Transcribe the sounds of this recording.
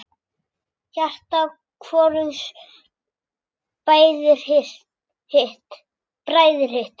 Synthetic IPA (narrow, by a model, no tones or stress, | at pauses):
çar̥t̪a | kʰvɔːɾʏns | paːjðʏɾ̥ | hɪht̪ | pɾaːjðʏɾ̥hɪht̪